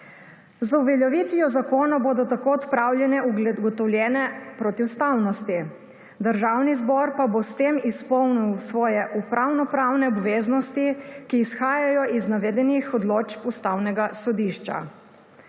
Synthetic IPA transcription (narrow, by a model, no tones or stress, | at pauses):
zuʋɛljɔʋit̪ʋiɔzakoːnɔboːd̪ɔt̪akoɔt̪pɾawljɛnɛuɡɡɔt̪ɔwlʲjɛːnɛpɾɔt̪iwst̪awnɔst̪i | d̪əɾʒawnizbɔɾpabost̪eːmispɔwniwsʋɔːjɛʔupɾawnɔpɾawnɛɔbʋeːznɔst̪ikiːsxaːjajɔʔiznaʋɛːd̪ɛnixɔd̪loːt͡ʃpust̪awnɛɡasɔd̪iʃt͡ʃa̰